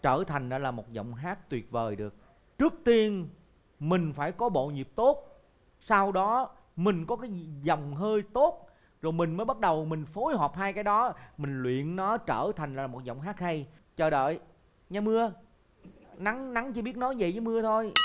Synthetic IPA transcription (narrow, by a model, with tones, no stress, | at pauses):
t͡ɕəː˧˩t̪ʰa˨˩jŋ̟ʔəː˧˦laː˨˩mo˨˩t̚zə̰˧˨wŋ͡mɦaː˦˥k̚t̪wi˨˩ət̚vəː˨˩jɗɨ˨˩ək̚ | t͡ɕɨ˦˥ək̚t̪i˧ən | mï˨˩ŋ̟faː˧˩jkɔ˨˦ɓo̰˧˨ɲi˨˩p̚t̪o˦˥t̚ | saː˧wɗɔ˨˦ | mï˨˩ŋ̟kɔ˨˦kaː˨˦jzɔ˨˩wŋ͡mɦəː˧jt̪o˦˥t̚ | zo˨˩jmï˨˩ŋ̟məː˨˦jɓa˦˥t̚ɗə˨˩wmï˨˩ŋ̟fo˨˦jhɔː˨˩p̚haː˧jkaː˨˦jɗɔ˨˦mï˨˩ŋ̟lwḭ˧˨ənnɔ˨˦t͡ɕəː˧˩t̪ʰa˨˩jŋ̟laː˨˩mo˨˩t̚zə̰˧˨wŋ͡mɦaː˦˥t̚hə˧j | t͡ɕəː˧˩ɗə̰ː˧˨j | ɲa˧mɨ˧ə | na˨˦ŋna˨˦ŋt͡ɕɨ˧˩ɓi˦˥ət̚nɔ˨˦jzə̰˧˨jzəː˨˦mɨ˧ət̪ʰo˧j